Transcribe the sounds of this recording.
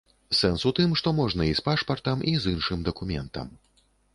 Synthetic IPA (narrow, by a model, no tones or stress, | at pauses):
sɛnsut̪ɨmʂt̪ɔmɔʐnɐispaʂpɐrt̪ɐmizinʂɨmd̪ɐkumʲɛnt̪ɐ̰m